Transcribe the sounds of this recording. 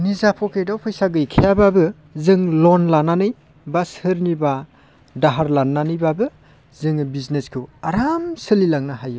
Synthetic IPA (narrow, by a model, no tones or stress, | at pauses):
nizapʰɔkʰejdawpʰɯjsaɡɯjkʰijababɯ | zɯŋlonlananɯj | bashɯɾniba | daɦaɾlanːanɯjbabɯ | zɯŋbizneskʰɯwaɾamsɯlilaŋnaɦaju